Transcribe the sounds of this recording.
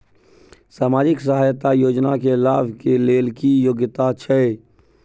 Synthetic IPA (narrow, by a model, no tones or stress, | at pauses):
saːmaːd͡ʒɪksəɦaːjt̪ajoːd͡ʒnakelaːbkeleːlkijoːɡɪt̪at͡ʃʰɛe